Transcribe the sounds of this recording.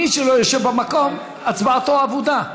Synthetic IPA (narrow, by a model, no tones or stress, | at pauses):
iʃeloeʃebamakom | at͡sbaat̪oavod̪a